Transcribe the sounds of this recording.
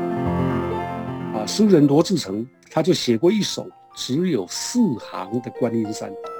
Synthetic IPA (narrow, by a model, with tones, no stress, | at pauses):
ə˧˩ʂ̩˥ɻə˧˥nt̪wɔ˧˥ʈ͡ʂɻ̩˥˩ʈ͡ʂʰɤ˧˥ŋ | t̪ʰa˥t͡ɕjo˥˩ʊɕjɛ˨˩kwɔ˥˧i˥˩ʂo̰˨˩˦ | ʈ͡ʂɻ̩˧˥jo˨˩ʊsɹ̩˥˩xɑ̰˧˥ŋd̪ə˨kwa˥ni˥nsa̰˥˩n